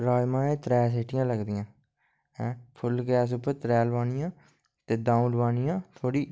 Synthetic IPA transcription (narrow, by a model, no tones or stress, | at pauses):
ɾaːɪmãːẽːt̪ɾɛːs̬eːʈɪjãːləɡd̪ɪjãː | ɛ̃ːpʰʊlɡɛːsʊpːəɾt̪ɾɛːlʋaːnɪjãː | t̪eːd̪ãːũɖʋaːnɪjãːt̪ʰoːɽiː